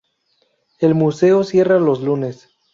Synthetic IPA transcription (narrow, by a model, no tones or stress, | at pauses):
e̞lmuse̞osje̞ralo̞zlune̞s